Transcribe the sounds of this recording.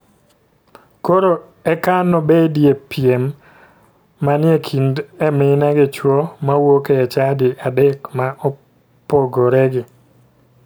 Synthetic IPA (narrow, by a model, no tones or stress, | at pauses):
koɾo | ɛkanɔbedjepjem | anɪekʰindemɪnaɡɪt͡ʃwomawokeːt͡ʃadɪʔadɛkmaʔɔ | poɡoɾɛɡɪ